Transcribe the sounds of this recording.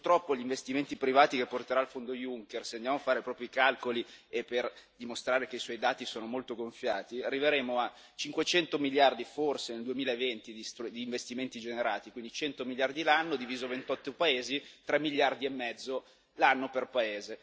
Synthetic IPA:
purt̪ɾɔpːoʎiɱvest̪iment̪ipɾivaːt̪ikepːort̪eɾaːlfond̪ojuŋkerseand̪jamoafaːɾepɾɔːpjoikalkoliepːerd̪imost̪ɾaːɾekeiswɔjd̪aːt̪isoːnomolt̪oɡoɱfjaːt̪iarːiveɾeːmoa | t͡ʃiŋkwet͡ʃɛnt̪omiʎjard̪iforseneld̪uemiːlaevent̪id̪ist̪ud̪iːɱvest̪iment̪id͡ʒeneɾaːt̪ikwind̪it͡ʃɛnt̪omiljard̪ilanːod̪iviːzovent̪ɔt̪ːopaeːzit̪ɾɛmːiʎːard̪iemːɛd̪zːo | lanːoperpaeːze

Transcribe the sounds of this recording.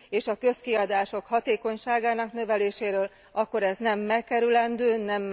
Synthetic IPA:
eːʃɒkø̞skiɒd̪aːʃo̞khɒt̪eːko̞ɲʃaːɡaːnɒknø̞vɛleːʃeːɾøːl | ɒkːo̞ɾɛznɛmːɛkːɛɾylɛnd̪øːnɛmː

